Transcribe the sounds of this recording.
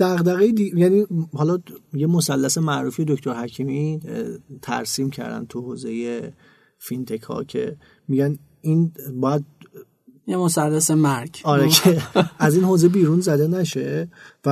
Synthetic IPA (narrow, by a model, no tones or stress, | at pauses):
d̪̥æɣd̪æɣejed̪ijænihɒlɒjemo̞sælːæse̞mæʔɾuːfije̞d̪okʰt̪oɾhæcʰimi | t̪ʰæ̰ɾsiːmcʰæ̰ɾd̪æ̰nt̪ʰuho̰ːze̞je̞ | fint̪ʰe̞kʰɒ̰cʰe̞̰ | miɟæn | inbɒːjæd̪̚ | jemosælːæsemæɾɡɒːɾecʰeʔæzinhoːze̞biːɾunzæd̪e̞næʃe̞væ